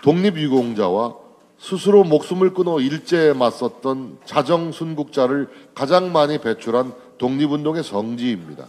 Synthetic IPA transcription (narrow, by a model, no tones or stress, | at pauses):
toŋɲibɥiɡoŋd͡ʑa̰wa | sʰusʰɯɾomok̚s͈umɯɭk͈ɯnʌiɭt͡ɕ͈e̞mas͈ʌt̚t͈ʌnt͡ɕad͡ʑʌŋsʰunɡuk̚t͡ɕ͈aɾɯɭkad͡ʑaŋmaɲipe̞t͡ɕʰuɾɦan | toŋɲibundoŋe̞t͡ɕʌŋd͡ʑiːmɲida̰